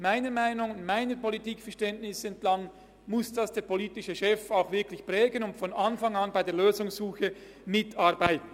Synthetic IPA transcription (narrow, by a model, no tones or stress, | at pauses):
maɪnəmaɪnʊŋnmaɪnəpolitiːkfɛɐʁʃtɛntnɪsɛntlɑŋ | mʊsd̥ɑsd̥eːɐpʰoliːtɪʃəʃɛfaʊxvɪɐkʰlɪçpʁ̥ɛːɡənʊntfɔnʔɑnfɑŋɑnbaɪdeːɐløːzʊŋsːuːxə | mɪtʰɑɐbaɪtn̩